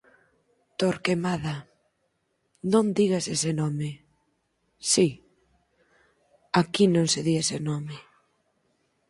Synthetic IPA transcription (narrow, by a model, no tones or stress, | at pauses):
t̪oɾkemaða | nõnd̪iɣasesɪnɔmɪ | si | akinõŋseðiesɪnɔmɪ